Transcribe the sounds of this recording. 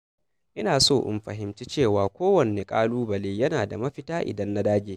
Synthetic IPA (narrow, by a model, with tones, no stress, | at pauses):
ʔɪ˦naː˨soː˦˨ʔɪ̰˦mɸɐ̰˨ɦɪ˨˦mt͡ʃi˦t͡ʃeː˦˨waː˨kʷoː˦wɐ˨neː˨kʼaː˦luː˦bɐ˨leː˨jɐ˦naː˨da̰˨mɐ˦ɸɪ˦taː˦ʔɪ̰˨dɐ˦nːa˦daː˦ɡʲeː˨˦